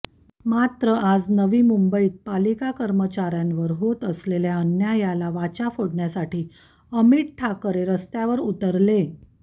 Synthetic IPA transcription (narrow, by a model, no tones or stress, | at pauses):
mat̪ɾəʔad͡znəʋiːmumbəiːt̪̚palikakəɾmət͡ɕaɾjãnʋəɾɦot̪əsleljaənjajalaʋat͡ɕafoɽɳjasaʈiː | əmiʈʈʰakəɾeɾəst̪jaʋəɾut̪əɾle